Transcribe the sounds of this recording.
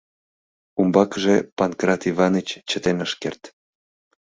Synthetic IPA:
umbɑkəʒepɑnkɾɑt̪ivɑnət͡ɕt͡ɕət̪enəʃkert̪

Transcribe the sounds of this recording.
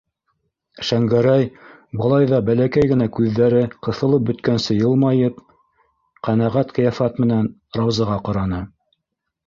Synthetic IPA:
ʃæŋɡæɾæj | bɤ̆lˠɑjðɑbælækæjɡɘ̆nækʉðːæɾɘqɤ̆θɤ̆lˠɤp̚bɵ̆t̪kænsɘjɤ̆lˠmɑjɤp | qænæʁæt̪kɤ̆jɑfɑt̪mɘ̆nænɾɑwzɑʁɑqɑ̆ɾɑnɤ

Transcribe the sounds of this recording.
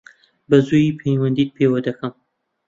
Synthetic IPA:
bɐzujiːpʰejwɐnd̪iːt̪̚pʰewɐd̪ɐkɐm

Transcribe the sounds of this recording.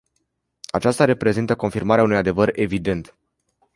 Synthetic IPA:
a̰t͡ʃast̪aɾe̞pɾe̞zint̪əko̞nfirmaɾeaunujad̪e̞vəre̞vid̪e̞nt̪

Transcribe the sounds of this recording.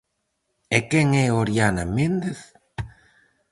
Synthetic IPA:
ekɛŋɛoɾjanamẽnd̪eθ

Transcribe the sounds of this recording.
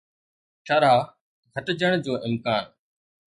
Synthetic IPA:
ʃəɾaː | ɡʱəʈd͡ʑəɽ̃d͡ʑoːʔɪmkaːn

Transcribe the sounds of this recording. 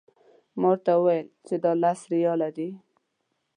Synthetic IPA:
mɑɾt̪auwajlt͡ʃed̪ɑlasɾijɑlad̪i

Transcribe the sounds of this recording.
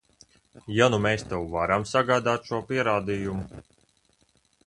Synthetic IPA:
janumeːst̪ewvaɾamsaɡajd̪aːt̪ʃuɔpiɛɾaːd̪iːjumu

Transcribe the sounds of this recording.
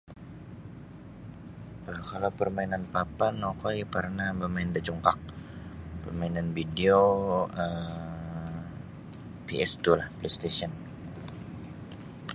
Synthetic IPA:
palakalawpərmainanpapanːɔkɔjparnabəmaɪndad͡ʒuŋkak̚ | pərmainanbideoə | piɛst̪ulahplest̪esiɔn

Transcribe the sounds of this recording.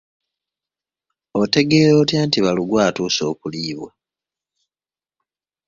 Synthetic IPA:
o̞te̞ɡe̞ːɾo̞ːtjaːntiβaluɡwaːtuːso̞ːkuliːβwa

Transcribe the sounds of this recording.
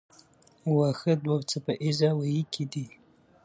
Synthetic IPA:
waxəd̪wawt͡səpaʔizawəjikʰid̪i

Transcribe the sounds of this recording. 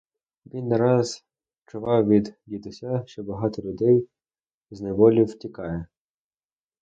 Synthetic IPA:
ʋʲinːɛɾɑz | t͡ʃʊʋɑwʋʲid̪dʲit̪ɪt͡sʲaʃt͡ʃɔbɐɦɑt̪ɔlʲʊd̪ɛj | znɛʋɔlʲiwtʲikɑjɛ

